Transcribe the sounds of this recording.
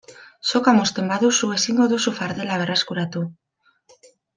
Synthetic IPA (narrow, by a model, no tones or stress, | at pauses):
so̞kamost̪e̞mbaðusue̞siŋɡo̞ðusufaɾðe̞laβ̞e̞reskuɾat̪u